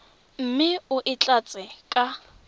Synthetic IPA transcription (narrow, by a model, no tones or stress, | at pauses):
m̩mɪʊʔɪt͡ɬʼat͡sʼɪkʼa